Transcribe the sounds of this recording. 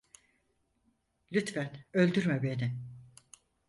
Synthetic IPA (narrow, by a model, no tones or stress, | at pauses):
lʲyt̪fɛnølʲd̪yɾmebe̞nɪ